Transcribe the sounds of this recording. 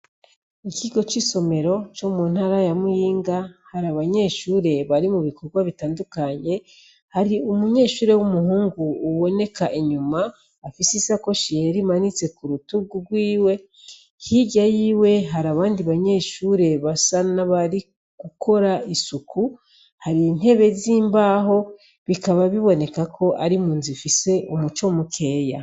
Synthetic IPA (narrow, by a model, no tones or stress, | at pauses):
iciɡo̞t͡ʃiso̞me̞ɾo̞t͡ʃomuːn̥haɾajamujiːŋɡahaɾaβaɲe̞ːʃuːɾe̞βaɾimuβiko̞ɡwaβitaːndukaɲe̞ | haɾiumuɲe̞ːʃuːɾe̞wumuhuːŋɡuːβo̞ne̞kʰaʔiɲumaː | fisisako̞ʃieɾimanit͡se̞kuɾutubɡuɡwiːwe̞ | hiɟajiːwe̞ɦaɾaβaːndiβaɲe̞ːʃuːɾe̞βasanaβaɾi | ɡ̥ukʰo̞ɾaisukʰu | haɾin̥e̞βe̞ziːmbaɦo̞ | βikaβaβiβo̞ne̞kakʰo̞ʔaɾimuːnzifise̞ʔumut͡ʃomukʰe̞ːja